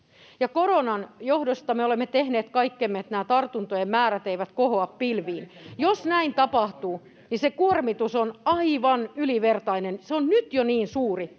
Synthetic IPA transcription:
jɑkoronɑnjohdost̪ɑmeolemːet̪ehneːt̪kɑikːemːet̪næːt̪ɑrt̪unt̪ojemmæːɾæt̪eiʋæt̪kohoɑppilʋiːnjosnæint̪ɑpɑht̪uː | nisekuormit̪usonɑiʋɑnyliʋert̪ɑinenseonnyt̪joniːnsuːri

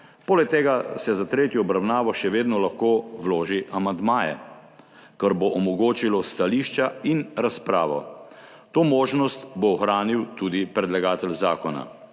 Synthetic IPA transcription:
poːlɛk̚t̪eːɡasɛzat̪ɾeːt̪jɔːbɾawnaːʋɔʃɛʋeːd̪nɔlaxkoːwloːʒiʔamand̪maːjɛ̰ | kəɾboʔɔmɔɡoːt͡ʃilɔst̪aliːʃt͡ʃainɾaspɾaːʋɔ̰ | t̪oːmoːʒnɔst̪boɔxɾaːniwt̪uːd̪ipɾɛd̪laɡaːt̪ɛlzaːkɔna̰

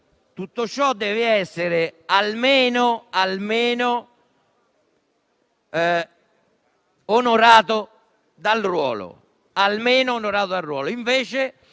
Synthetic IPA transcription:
t̪ut̪ːot͡ʃːɔd̪ːɛːvɪɛsːeɾɪalmeːnʊalmeːno | onoɾaːt̪ʊ | d̪alrwɔ̰ːlʊ̰ | almeːnʊːnoɾaːt̪od̪arːwɔːlʊiɱveːt͡ʃɪ

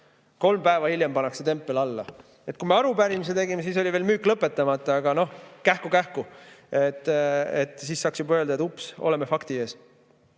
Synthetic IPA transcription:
ko̞lmpæevɑhilʲjempɑnːɑkset̪e̞mpːˑe̞lɑlːɑ̰ | et̪̚kume̞ɑɾupæɾimis̬et̪e̞ɡimesiːs̬o̞lʲiveːlmyːkːˑlɤpːˑe̞t̪ːˑɑmɑt̪ːˑɑɑɡ̥ɑno̞hkæhkukæhkuet̪ːˑet̪ːˑsiːsːɑːksjubɑøld̪ɑeupso̞̰lemefɑkt̪ie̞ːs

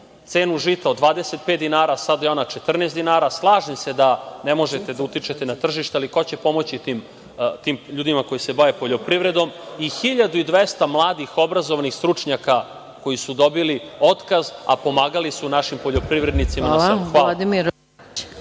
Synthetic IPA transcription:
t̪se̞ːnuʒit̪aod̪ʋaːd̪eset̪̚pet̪d̪inaːɾasad̪ajeo̞nat͡ʃet̪r̩nesd̪inaːɾaslˠaːʒimse̞d̪ane̞mo̞ʒet̪e̞d̪aut̪it͡ʃe̞t̪enat̪r̩ʒiʃt̪ealiko̞t͡ɕe̞po̞mo̞t͡ɕit̪iːm | t̪iːmʎuːd̪imako̞jise̞bajepo̞ʎo̞pɾiʋɾe̞d̪o̞mixiʎad̪uid̪ʋest̪amlˠaːd̪ixo̞bɾazoʋanixst̪ɾut͡ʂɲaka | ko̞jisud̪o̞bilio̞t̪kaza̰po̞maːɡalisunaʃimpo̞ʎo̞pɾiʋɾe̞d̪nit̪simaaaxaad̪imiɾ

